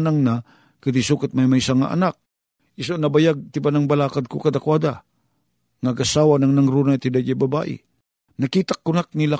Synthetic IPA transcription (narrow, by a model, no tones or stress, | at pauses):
naŋna | kɐd̪isukat̪̚majmɐjsaŋa̰ʔɐ̰nak̚ | ʔɪs̬onɐbajaɡ̚t̪ɪbanɐŋbɐlaːkad̪̚kokɐd̪akwad̪a | ŋaɡasawanɐŋnɐŋɾunat̪hɪd̪ad͡ʒabɐba̰ːʔɪ̰ | nɐkiːt̪akːʊnak̚nɪla